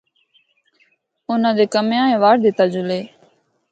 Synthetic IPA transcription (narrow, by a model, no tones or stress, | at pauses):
ʊnãːd̪eːkəmjãːẽːʋaːɽd̪ɪt̪aːd͡ʒʊleː